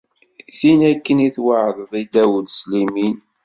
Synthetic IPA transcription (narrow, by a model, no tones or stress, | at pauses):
θinækːəniθwaʕəðˤðˤid̪æwd̪slimin